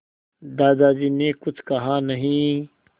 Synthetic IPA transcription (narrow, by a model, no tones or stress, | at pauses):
d̪aːd̪aːd͡ʒiːnekʊt͡ʃʰkɐɦanɐɦĩ